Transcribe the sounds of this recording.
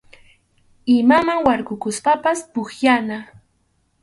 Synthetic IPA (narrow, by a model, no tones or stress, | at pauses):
ɪmamaŋwaɾɢʊkʊspapaspʊχjana